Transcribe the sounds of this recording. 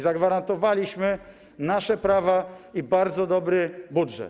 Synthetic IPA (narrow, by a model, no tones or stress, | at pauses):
zaɡvaɾant̪ɔvalʲiɕmɘ | naʂɛpɾavaibaɾd̪zɔd̪ɔbɾɘbudʐɛ̰t̪